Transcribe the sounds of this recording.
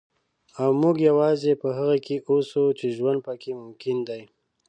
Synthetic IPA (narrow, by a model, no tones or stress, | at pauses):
awmuɡjawɑzepəɦaɣakʰeʔosut͡ʃeʒwand̪̚pəkʰemʊmkɪnd̪aj